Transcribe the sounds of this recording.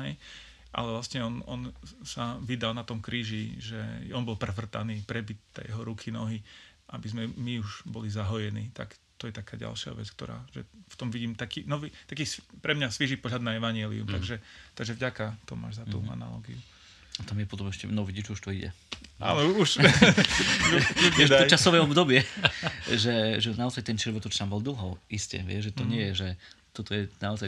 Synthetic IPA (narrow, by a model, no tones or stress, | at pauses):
ɦɛj | ʔa̰lɛvlast̪ɲɛɔnɔnsaʋid̪alnat̪ɔmkɾiːʒiʒɛ̰ɔnbɔlˠpɾɛfr̩t̪aniːpɾɛbit̪̚t̪ɛ̰jɛɦɔɾukʰinɔɦiʔabizmɛmiuʒbɔlizaɦɔjɛnḭːt̪a̰kt̪ɔjɛt̪akaːɟa̰lʃɪa̰ʋɛ̰t͡sk̚t̪ɔ̰ɾa̰ːʒɛ̰ft̪ɔmʋiɟiːmt̪akiːnɔʋit̪akiːspɾɛmɲasʋiʒiːpɔɦlad̪naɛʋaɲɪɛlḭṵmt̪aɡʒɛt̪aɡʒɛvɟakat̪ɔma̰ːʒzat̪ṵa̰na̰lɔ̰ːɡḭu | at̪amjɛpɔt̪ɔmɛʃcɛnɔʋiɟid͡ʒuʃt̪ɔiɟɛ̰a̰ːnɔuʃ | ɛʒɔt͡ʃasɔʋɛɔbd̪ɔbɪɛ | ʒɛʒɛnaɔzajt̪ɛnt͡ʃɾʋɔɾt̪ɔt͡ʃt̪ambɔlˠd̪l̩ˠɦɔʊiscɛ̰ʋɪɛʒʒɛt̪ɔɲɪɛjɛʒɛ | t̪ɔt̪ɔjɛnaɔzaj